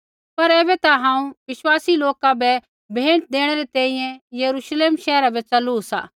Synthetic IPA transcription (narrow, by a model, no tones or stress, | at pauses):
pɐɾɛːbɛt̪aɦãːũʋɪʃwaːsiloːkabɛ | bʱẽːʈd̪eːɽ̃ɛɾet̪ɛ̃ːĩjɛ̃jɐɾuʃleːmʃɛːɾabɛt͡sɐlusa̰ː